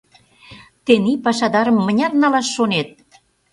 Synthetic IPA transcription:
t̪enipɑʃɑd̪ɑɾə̆mːə̆nʲɑt̪nɑlɑʃːonet̪̚

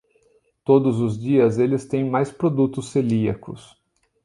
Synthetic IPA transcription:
t̪od̪ʊzʊzd͡ʒiɐzelɪst̪ẽj̃majspɾod̪ut̪ʊsːeliɐkʊ̰s

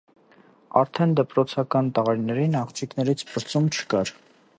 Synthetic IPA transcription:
ɑ̰ɾt̪ʰɛnd̪əpɾɔt͡sʰɑkɑnt̪əʁɑɾnɛɾinɑχt͡ʃʰiknɛɾit͡sʰpʰəɾt͡sumt͡ʃʰə̥kɑɾ

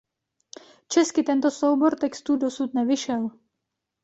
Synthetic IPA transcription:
t͡ʃɛskɪt̪ɛnt̪o̞sowbo̞ɾt̪ɛkst̪uːdosut̪nɛvɪʃɛl

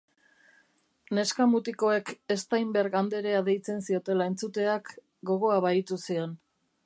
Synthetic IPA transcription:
ne̞skamut̪iko̞e̞ke̞st̪ajmbɾɣand̪e̞ɾe̞aðejt͡se̞nsio̞t̪e̞lae̞nt͡sut̪e̞ak | ɡo̞ɣ̞o̞aβait̪usio̞n

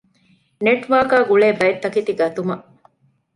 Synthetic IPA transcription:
neʈʋaːkaːɡuɭeːbɐjet̪ːɐkit̪iɡɐt̪umɐʔ

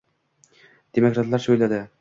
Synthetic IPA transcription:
d̪̥emokɾat̪lˠɑɾsɵjlad̪ɪ

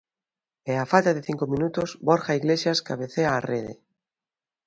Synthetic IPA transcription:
eafalt̪aðeθiŋkomĩnut̪ozboɾxaiɣlesjaskaβeθeaːreðḛ

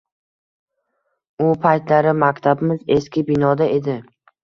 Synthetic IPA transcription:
ʊpʰajt̪laɾɪmakʲt̪ʰabɪmɪzeskʲɪbɪnɒd̪ae̞d̪ɪ

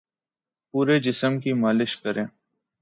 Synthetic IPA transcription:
puːɾed͡ʒɪsəmkimaːlɪʃkəɾẽː

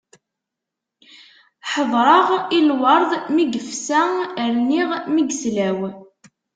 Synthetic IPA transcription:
ħəðˤɾˤɑʁilwɑɾˤðˤmiɡəfsæəɾniʁmiɡslæw

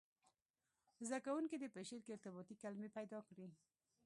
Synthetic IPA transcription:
zd̪akawuŋkid̪əpəʃeɾkeɪɾt̪ɪbɑt̪ikalmepajd̪ɑkɽi

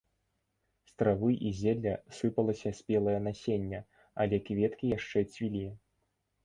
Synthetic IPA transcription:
st̪ɾavɨjʔizʲɛd̪lʲɐsɨpɐlˠɐsʲɐsʲpʲɛlˠɐjɐnasʲenʲːɐ | alʲɛkvʲɛt̪kʲijaʂt͡ʂɛt͡sʲvʲilʲi

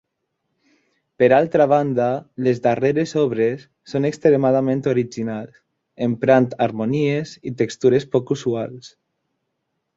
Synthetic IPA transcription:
peɾalˠt̪ɾaβ̞and̪alezðareɾezɔβɾesːonekst̪ɾemað̞amẽnt̪oɾid͡ʒinals | empɾant̪aɾmoniezit̪ekst̪uɾespɔkusuals

